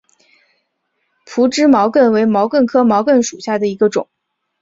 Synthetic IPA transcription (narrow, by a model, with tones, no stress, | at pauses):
pʰu˧˥ʈ͡ʂɻ̩˥mɑ˧˥ʊkə˥˩nwe˧˥ɪmɑ˧˥ʊkə˥˩nkʰɤ˥mɑ˧˥ʊkə˥˩nʂu˨˩ɕja˥˩d̪ə˩i˧˥ɡə˧ʈ͡ʂʊ̰˨˩˦ŋ